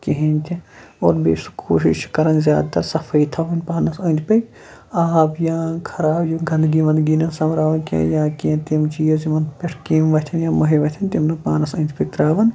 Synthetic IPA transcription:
kiɦĩnʲt̪ʲĩoːɾbḛsukʰoːʃḭʃkɐɾɐnzjaːd̪̚t̪ɐɾsɐfʰɐit̪ʰɐɦunʲpaːnɐsɐ̃ːnʲd̪ʰpɐkʲ | aːbjãːkʰɐɾaːbjuɡʱɐnd̪ɡiʋɐnd̪ɡiːnɐnsɐmɾaːʋɐnkḛ̃jãːkĩt̪imt͡ʃiːjɐziʋɐnd̪peʈʰkiːmʋɐt̪ʰɐnjãːmɐɦiʋɐt̪ʰʲɐnt̪imnɐpaːnɐsɐ̃ːnd̪pɐk̚t̪ɾaːʋɐn

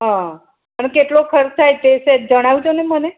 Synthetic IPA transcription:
ɦã | pənkeʈlokʰəɾt̪ʰajt̪eʃed͡ʒəɽ̃aʋud͡ʒoneməne

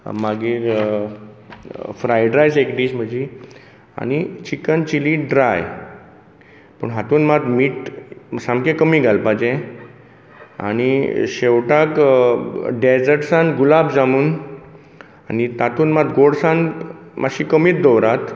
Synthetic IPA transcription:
maɡiːɾ | fɾajɖɾajsekɖ̪iːɕm̤əd͡ʑi | a̰ɽ̃it͡ɕikənt͡ɕiliːɖɾaj | pəɳɦat̪uːnmat̪miːʈsãmkẽkəmiːɡʱalpad͡ʑẽ | a̰ɽ̃iɕewʈak | ɖed͡zəɾʈsãnɡulabd͡zamuːn | anit̪at̪uːnmat̪ɡoɽsãnmʔaɕiːkəmiːt̪̚d̪ɔwɾat̪

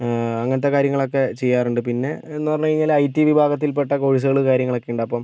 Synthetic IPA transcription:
ɐŋːɐnɐt̪ːe̞kaːɾjɐŋːɐɭo̞kːe̞t͡ɕejːaːruɳɖɨpinːe̞enːupɐrɐɲːukɐɻiɲːaːlɐjtːiʋibʱaːɡɐt̪̬ːilpeʈːɐkoɻis̬ɐɣɐɭɨkaːɾjɐŋːɐɭokːeuɳɖɐpːɐm

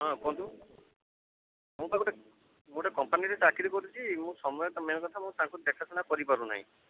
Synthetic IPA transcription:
ɦɔ̃kɔ̃nt̪u | mũt̪akuʈe | mũʈekɔmpaniɾet͡ʃakiɾikɔɾit͡ʃʰimũsɔmɔjɔt̪ameɔ̃kɔt̪ʰamũt̪ãŋkud̪ɛkʰasʰɔnakɔɾipaɾuna̰ɦḭ̃

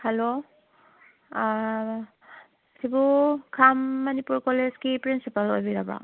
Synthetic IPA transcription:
halo | sʰibukʰamːɐnipuɾkɔlezkipɾinsipalo̰jbiɾabɾa̰

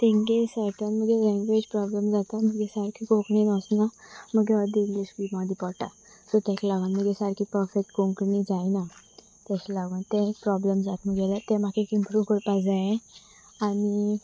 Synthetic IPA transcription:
t̪ɛ̃ŋɡesaɾʈanməɡelɛ̃ŋɡʋed͡ʑpɾɔblemd͡zat̪aməɡesaɾkʰikoknenɔsnaməɡɛʋəd̪iiŋɡliɕʋimad̪ipɔʈa̰ | sɔt̪ãɕʰilaɡanməɡesaɾkʰipəɾfek̚ʈkoŋknid͡zajna | t̪aɕilaɡənt̪ɛ̃pɾɔblemd͡zat̪m̤əɡɛlat̪ɛ̃makʰekimpʰɾũkəɽpad͡zajẽ | ani

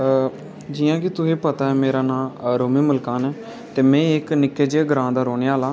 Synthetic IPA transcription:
d͡ʒɪːjãːkɪt̪ʊsiːpət̪aːɛːmeːɾaːnaːɾoːmiːməlkaːnɛː | t̪eːmɛ̃ːɪknɪkːeːd͡ʒeːɡəɾãːd̪aːɾoːneːaːlaː

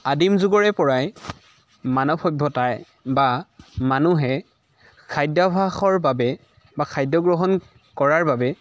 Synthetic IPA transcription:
adimzuɡɔɹɛpɔɹaj | manɔpʰɔjbʱɔtaj | bamanuɦɛ | kʰajdɔbʱaxɔɹbabɛ | bakʰajdɔɡɹɔɦɔn | kɔɹaɹbabɛ

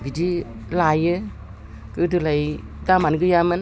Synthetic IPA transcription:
bidilajɯ | kɯdɯlaj | damanɡɯjamɯn

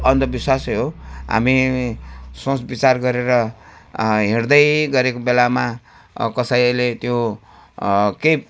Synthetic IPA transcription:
ʌnd̪ʌbiswasɦoɦa̰mi | sõsbit͡sarɡʌɾeɾʌ | ɦerd̪ʌjɡʌɾekobelama | kʌsajlet̪jo | kej

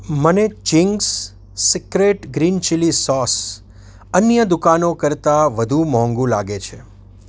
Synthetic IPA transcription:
mənet͡ʃɪŋɡsː | ɪkɾeʈɡɾint͡ʃilisɔs | ənjəd̪ukanokəɾt̪aʋəd̪ʱumɦɔ̃ŋɡũlaɡet͡ʃʰe

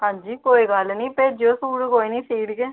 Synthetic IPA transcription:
ɦãːɲd͡ʒiːkoːiːɡəlnĩːpeːd͡ʒoːsuːɽkoːinĩːsiːɽkeː

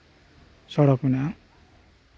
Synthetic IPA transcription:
sʌɽʌkuna

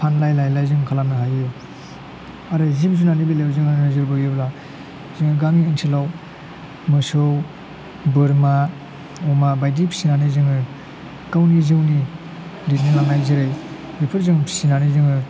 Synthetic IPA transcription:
pʰanlajlajlajzɯŋkʰalamnɯɦaju | aɾɯzibs̬unanibilewzɯŋanazɯɾbɯɯbla | ziŋɯɡamiɯŋtʰilaw | mɯsow | bɯɾma | ɔmabajdipʰi̥sinanizɯŋɯ | kawnizɯwni | dit̚ninaŋajzɯɾɯj | dipʰɯɾzɯŋpʰi̥sinanizɯŋɯ

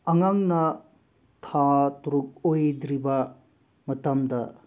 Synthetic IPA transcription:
ɐŋaŋnɐ | tʰatuɾuk̚ojd̪ɾibɐ | mɐtɐmdɐ̰

